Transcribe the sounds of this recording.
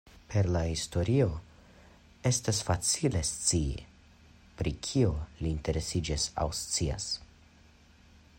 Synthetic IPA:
pʰe̞ɾlahisto̞ɾio̞ | e̞stasfat͡sile̞st͡siḭ | pɾikʰio̞liːnte̞ɾe̞sid͡ʒisa̰wst͡sia̰s

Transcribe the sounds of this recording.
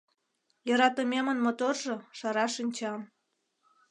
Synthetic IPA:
jɤɾɑt̪əmemənmot̪orʒoʃɑɾɑʃinʲt͡ɕɑm

